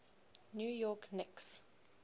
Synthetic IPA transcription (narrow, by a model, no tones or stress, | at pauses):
njuːjɔknɪks